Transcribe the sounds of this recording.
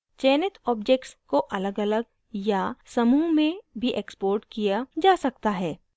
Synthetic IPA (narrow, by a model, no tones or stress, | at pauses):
t͡ʃɛːnɪt̪ʰɔːbd͡ʒeːk̚ʈskoʔɐləɡɐləɡ̚ | jasɐmuːɦmẽbʱiʔekspoːɾʈkijad͡ʒaːsɐk̚t̪aɦɛː